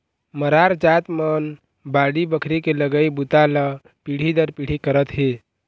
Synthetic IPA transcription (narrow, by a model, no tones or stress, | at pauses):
məɾaɾd͡ʒat̪mən | baɽibəkʰɾikeləɡəibut̪alə | piɽ̤id̪əɾpiɽ̤ikəɾət̪ɦe